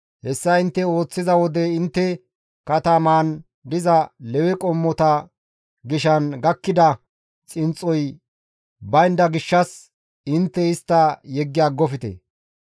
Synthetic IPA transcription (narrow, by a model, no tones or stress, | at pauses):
hɛsːɐɪnt̪ːɛo̞ːt͡sːɪzɐwɔd̪ɛɪnt̪ːɛ | kɐt̪ɐmaːn | d̪ɪzɐlɛwɛkʼɔmːɔt̪ɐ | ɡɪʃɐnɡɐkːɪd̪ɐ | t͡sʼɪnt͡sʼːɔj | bɐjnd̪ɐɡɪʃːɐs | ɪnt̪ːɛɪst̪ːɐjɛɡːɪjaːɡɔfɪt̪ḛ